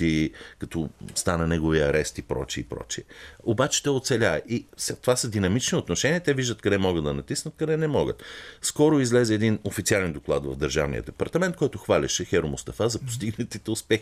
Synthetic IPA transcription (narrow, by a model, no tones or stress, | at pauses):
ikɐt̪ɔst̪anɐnɛɡoviɐɾɛst̪ipɾɔ̰t͡ʃiːpɾɔ̰t͡ʃiɛobat͡ʃɛ̥t̪ɛot̪sɛlʲavɛʔisat̪ovasəd̪inɐmit͡ʃniot̪noʃɛniət̪ɛviʒd̪ət̪kɐd̪ɛmɔɡəd̪d̪ɐnɐt̪isnət̪̚kɐd̪ɛnɛmɔɡə̰t̪skɔɾoizlɛzɛːd̪inofit̪sialɛnd̪oklˠa̰d̪vɐ̰vd̪əɾʒa̰vnḭjə̰d̪ɛpɐɾt̪ɐmɛnt̪̚kɔjt̪ʊxvalʲɛ̰ʃɛxɛɾomʊst̪ɐfazɐpo̥st̪iɡnət̪it̪ɛʊspɛx